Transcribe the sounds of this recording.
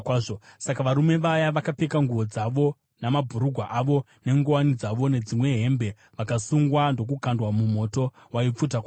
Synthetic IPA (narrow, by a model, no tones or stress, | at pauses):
aʐosakaʋaɾume̞ʋajaʋakapekaŋɡuʋo̞d͡zaʋo̞ | namabʱuɾuɡʱwaʔaʋo̞ | ne̞ŋɡowanid͡zaʋo̞ne̞d͡zimwe̞ɦe̞mbe̞ | ʋakasuŋɡwando̞k̬ukandwamumo̞to̞ | waip͡fut̬akwa